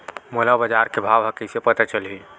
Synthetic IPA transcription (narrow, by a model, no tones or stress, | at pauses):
molabəd͡ʒaɾkebʱabɦəkisepət̪at͡ʃəlɦi